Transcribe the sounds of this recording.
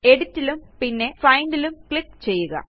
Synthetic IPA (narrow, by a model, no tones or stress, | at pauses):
e̞ɽutːilumpinːe̞fɐjnɖilumkɭipːt͡ɕe̞jːuɣɐ̰